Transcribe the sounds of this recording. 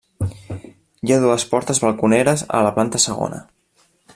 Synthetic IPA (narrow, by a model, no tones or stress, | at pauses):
jaðuəspɔɾt̪əzβəlˠkunɛɾəzə̰ləplant̪əsəɣ̞o̰nə̰